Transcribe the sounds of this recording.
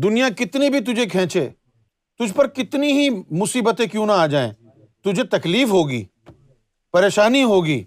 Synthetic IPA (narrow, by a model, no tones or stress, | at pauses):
d̪ʊnɪjãkɪt̪nibʱit̪̬ʊd͡ʒʱekʰɛ̃ːt͡ʃʰḛː | t̪ʊd͡ʒʱpɐɾkɪt̪niɦimʊsiːbət̪ẽkjũːnaaːd͡ʒaːḛ̃ː | t̪ʊd͡ʒʱet̪ɐkliːfɦoːɡḭː | pɐɾeːʃaːniɦoːɡiː